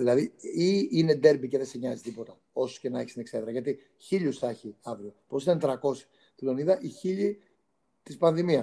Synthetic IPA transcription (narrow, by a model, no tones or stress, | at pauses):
ðilɐðiiine̞d̪e̞ɾbice̞ðe̞siɲɐzist̪ipo̞t̪ɐ | o̞so̥ce̞nɐeçist̪inekseðɾɐʝɐt̪i | çiʎusθɐçiɐvɾiopo̞sit̪ɐnt̪ɾɐko̞si̥ | t̪ilo̞niðɐʔiçiʎi | t̪ispɐnðimiɐs